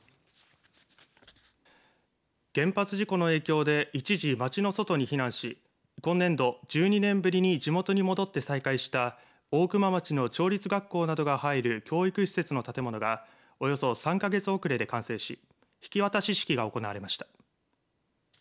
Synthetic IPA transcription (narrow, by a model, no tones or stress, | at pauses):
ɡ̥ẽ̞mpat͡sɨʑiko̞no̞e̞ːkʲo̞ːd̪e̞it͡ɕiʑimat͡ɕino̞so̞t̪o̞ɲ̟içinãɰ̃ɕi | kõ̞nːẽ̞nd̪o̞d͡ʑɨːɲ̟inẽ̞mbɯ̟ɾʲiɲ̟id͡ʑimo̞t̪o̞ɲ̟imo̞d̪o̞t̪ːe̞saikaiɕi̥t̪a | o̞ːkɯ̟mamat͡ɕino̞t͡ɕo̞ːɾʲit͡sɨɡakːo̞ːnad̪o̞ɡahaiɾɯ̟kʲo̞ːikɯ̟ɕi̥se̞t͡sɨno̞t̪at̪e̞mo̞no̞ɡa | o̞jo̞so̞sãŋkaɡe̞t͡sɨo̞kɯ̟ɾe̞d̪e̞kãɰ̃sẽ̞ːɕi | çi̥kʲiβat̪aɕiɕi̥kʲiɡao̞ko̞naβaɾe̞maɕi̥t̪ḁ